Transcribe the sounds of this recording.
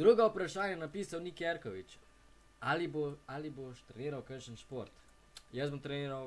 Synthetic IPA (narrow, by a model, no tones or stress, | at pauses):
d̪ɾuɡaupɾaʃaːnjanapiːsawnikjɛɾkɔʋit͡ʃ | aliboaliboʃt̪ɾɛniːɾawkəɾʃənʃpoɾt̪ | jəzbɔmt̪ɾɛniːɾaw